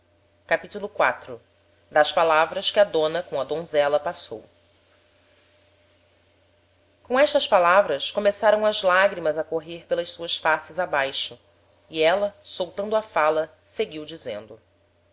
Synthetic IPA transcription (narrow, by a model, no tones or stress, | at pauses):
kkapit̪ulʊkwat̪ɾʊ | d̪ɐʃpalavɾɐskɪɐd̪õnɐkõw̃ɐd̪õzɛlɐpaso̰w | kõɛʃt̪ɐspalavɾɐskomesaɾɐ̃w̃ɐzlaɡɾimɐzɐkoɦehpelɐʃsuɐsfasɪzabajʃʊ | iɛlɐsowt̪ɐ̃nd̪ʊɐfalɐ | seɡiwd͡ʒizḛ̃nd̪ʊ